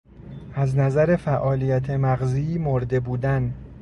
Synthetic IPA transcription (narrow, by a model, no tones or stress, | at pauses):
ʔæznæzæɾe̞fæʔɒːlijæt̪ʰemæɣzimoɾd̪e̞buːd̪æn